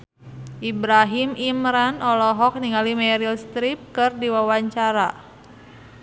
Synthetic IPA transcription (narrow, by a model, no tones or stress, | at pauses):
ʔibɾaɦimimɾanɔlɔɦɔk̚niŋalimɛɾilst̪ɾip̚kɨrdiwawaɲt͡ʃaɾa̰